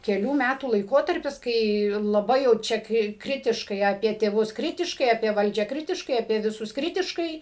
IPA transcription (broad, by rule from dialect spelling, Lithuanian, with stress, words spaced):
kʲɛˈlʲuː ˈmʲætuː lˠɐɪˈkoːtɐrʲpʲɪs ˈkɐɪ lˠɐˈbɐɪ jɛʊ ˈt͡ʃʲɛ ˈkrʲɪ ˈkrʲɪtʲɪʃkɐɪ ɐˈpʲiɛ tʲeːˈʋʊs ˈkrʲɪtʲɪʃkɐɪ ɐpʲiɛ ˈʋɐlʲd͡ʒʲæː ˈkrʲɪtʲɪʃkɐɪ ɐpʲiɛ ʋʲɪˈsʊs ˈkrʲɪtʲɪʃkɐɪ